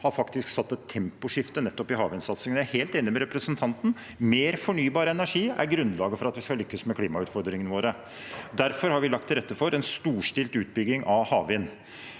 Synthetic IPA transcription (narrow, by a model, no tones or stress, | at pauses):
hɑɾfɑkt̪ɪsksɑt̪ːət̪ʰːɛmpʊʂɪft̪ənɛt̪ːɔpɪhɑːʋɪnsɑt̪səŋənjæheːlt̪eːnɪmɛɾɛpɾəsənt̪ʰɑnt̪n̩ | meːɾfɔɳyːbɑːɾəɛnæʂiːæ̰ɾɡɾʉnːlɑːɡəfɔɾɑt̪ʋɪskɑlʏkːəsmɛkʰliːmɑʉːt̪fɔɾd̪ɾɪŋənəʋoːɾə | d̪æɾfɔɾhɑɾʋɪlɑk̚t̪ʰːɪlɾɛt̪ːəfɔɾɛnst̪uːʂʈɪlt̪ʉːt̪̚bʏɡːɪŋʔɑhɑːʋɪn